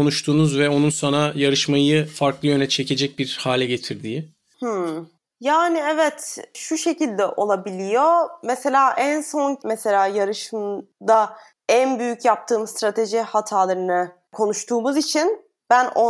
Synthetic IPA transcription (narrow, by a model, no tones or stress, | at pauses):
onuʃt̪ʰuːnuzvɛo̞nunsanajaɾɯʃmajɯfaɾklˠɯjø̞nɛt͡ʃʰecʰe̞d͡ʒɛc̚biɾhaːlʲɛɟe̞t̪ʰiɾd̪iːi | h̩ | jaːniɛvɛt̪ʃuʃe̞cilʲd̪ɛʔo̞lˠabilʲijo̞mese̞lʲaːʔænso̞nmese̞lʲaːjaɾɯʃɯmd̪a | ænbyjycʰjap̚t̪ʰɯːmst̪ɾat̪ʰe̞ʒihat̪ʰaːlˠaɾɯnɯ | kʰo̞nuʃt̪ʰuːmuzit͡ʃʰin | b̥æno